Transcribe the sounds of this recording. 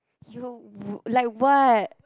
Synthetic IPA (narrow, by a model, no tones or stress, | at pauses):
julaɪk̚wɔt